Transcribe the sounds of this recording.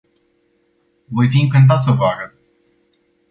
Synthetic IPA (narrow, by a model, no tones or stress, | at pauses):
vo̞jfiɨŋkɨnt̪̬at̪s̬əvaɡət̪